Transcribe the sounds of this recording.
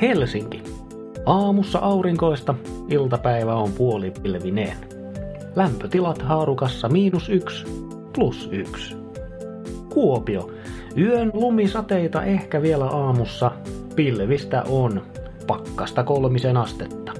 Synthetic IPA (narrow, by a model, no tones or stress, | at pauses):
helsiŋki | ɑːmusːɑ̰ʔɑuɾiŋkoist̪ɑilt̪ɑpæiʋæompuolipilʋinḛn | læmpøt̪ilɑt̪hɑːrukɑsːɑmiːnusyks | plusyks | kuopio | yønlumisɑt̪eit̪ɑ̰ʔehkæʋielæʔɑːmusːɑ | pilʋist̪æ̰ʔon | pɑkːɑst̪ɑkolmisenɑst̪et̪ːɑ̥